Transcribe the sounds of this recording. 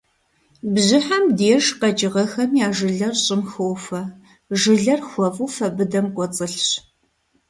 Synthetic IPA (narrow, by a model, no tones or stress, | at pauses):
bʑɪħamdeːʒqɐt͡ʃʼɪʁɐxɐmjaːʒɨɮɐrɕʼɪmxɨwfɐ | ʒɨɮɐrxʷɔvufɐbɨdɐmkʷʼɔt͡sʼɨɬɕ